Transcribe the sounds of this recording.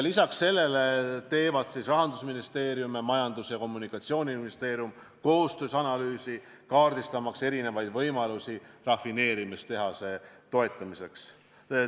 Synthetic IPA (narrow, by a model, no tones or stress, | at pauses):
lisɑksːe̞lːe̞le̞t̪e̞ːvɑd̪̥sisrɑɦɑnd̪usminist̪e̞ːɾjumemɑjɑnd̪̥usjɑko̞mːunikːˑɑt̪sio̞ːnʲiminist̪e̞ːɾjum | ko̞ːst̪øːsɑnɑlyːsi | kɑːrd̪ist̪ɑmɑkse̞ɾine̞vɑjd̪̥vɤjmɑlusirɑfine̞ːɾimist̪e̞ɦɑse̞t̪o̞e̞t̪ːˑɑmise̞ks